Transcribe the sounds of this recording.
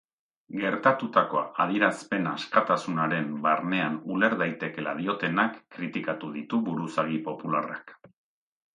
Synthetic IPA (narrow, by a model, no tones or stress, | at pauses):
ɡe̞ɾt̪at̪ut̪ako̞að̞iɾaspe̞naskat̪asunaɾe̞mbarne̞anule̞ɾðajt̪e̞ke̞la̰ðio̞t̪e̞nakːɾit̪ikat̪uðit̪uβuɾusaɣ̞ipo̞pulara̰k